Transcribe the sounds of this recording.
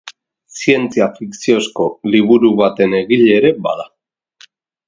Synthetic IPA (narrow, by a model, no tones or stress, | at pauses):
sie̞nt͡siafiksio̞sko̞liβuɾuβat̪e̞ne̞ɣiʎe̞ːɾe̞ba̰ða